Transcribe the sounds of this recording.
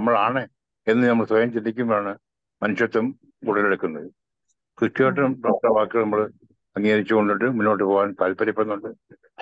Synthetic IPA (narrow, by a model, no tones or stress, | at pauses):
ɐmːɐɭaːɳe | e̞nːɨnɐmːɐɭsʋɐjɐmt͡ɕind̪ikʲːumaːɳɨ | mɐnuʂjɐt̪ːɐm | kuʈːɐleɽukːunːɐðɨ | kɨkːoːʈːɐmprɐːʈːɐʋaːkːɨɣɐɭnɐmːɐɭ | ɐŋːaːɾit͡ɕːukɣo̞ɳɖiʈːɨmunːoːʈ̬ːɨpoːwaːnpɐlpɐɾɐpːeɐnːuɳɖɨ